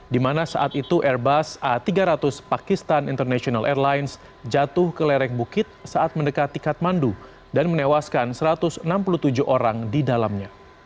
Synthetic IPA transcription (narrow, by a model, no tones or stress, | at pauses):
dimanasaʔat̪it̪uʔɛrbasat̪iɡaɾat̪ʊspakist̪anḭnt̪ərnasionalʔɛrlajns | d͡ʒat̪ʊhkəlɛɾɛk̚bukɪt̪̚saʔat̪̚məndəkat̪ikat̪̚mandu | danmənewaskansəɾat̪ʊsənampulut̪ud͡ʒʊɦoɾaŋdidalamɲa